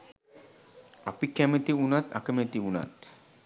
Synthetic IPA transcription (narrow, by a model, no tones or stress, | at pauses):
a̰pikæmət̪iunat̪a̰kəmet̪iuna̰t̪